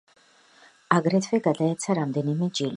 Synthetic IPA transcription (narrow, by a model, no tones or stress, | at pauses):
aɡɾɛt̪ʰvɛɡad̪aɛt̪sʰaɾamd̪ɛnimɛd͡ʒili